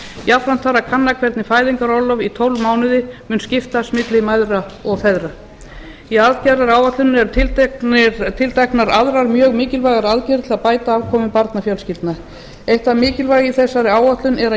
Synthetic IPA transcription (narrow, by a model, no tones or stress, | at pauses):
jafɾan̥t̪faɾakʰanːakʰvɛɾt̪nɪfaːjðɪŋkaɾɔlɔvit̪ʰowlmaːwnɪðɪmʏnscɪft̪asmɪt̪lɪmajðɾaɔɣfɛðɾa | iaðcɛɾaɾaːwat̪lʏnɛɾt̪ʰɪlt̪ | t̪ʰɪlt̪ʰajknaɾaðɾaɾmjœːɣmɪːcɪlvajɣaɾaðcɛɾɪt̪ʰɪlapaːjt̪aaːvkʰɔːmʏpaɾt̪nafjœlscɪlt̪na | ejht̪amɪːcɪlvaːjɣiθɛsːaɾɪaːwat̪lʏnɛɾa